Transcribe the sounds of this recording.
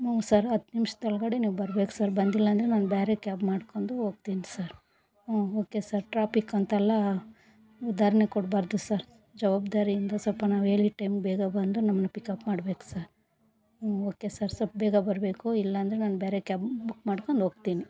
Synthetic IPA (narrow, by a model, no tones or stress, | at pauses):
sɐɾɐt̪ːnimʂɐ̥t̪ɐɭɡɐɽeniːʋbɐɾbeku̥sɐɾbɐnd̪ilːɐːnd̪ɾenaːnbɛːɾe̞kaːbmaːɽko̞ːnd̪uoːɡ̚t̪iːnisɐɾ | oːkesɐɾʈɾaːpikːɐnt̪ɛlːɐ | ud̪aːɾɐnekɔɽbaːɾd̪usɐɾ | d͡ʒɐʋaːbd̪aːɾiind̪ɐsɐlpːɐnaːʋeːɭiʈɐjmɡbɛːɡɐbɐnd̪unɐmːɐnɐpikɐpmaːɽbe̞ːku̥sɐɾ | oːkesɐɾsɐp̚bɛːɡɐbɐɾbe̞ːkuilːɐːnd̪ɐɾenaːnbeːɾekaːpbukːmaːɽko̞nd̪oːɡ̚t̪iːni